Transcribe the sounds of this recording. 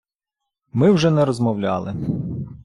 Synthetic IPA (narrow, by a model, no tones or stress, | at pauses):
mɪwʒɛnɛɾɔzmɔwlʲɑ̰lˠɪ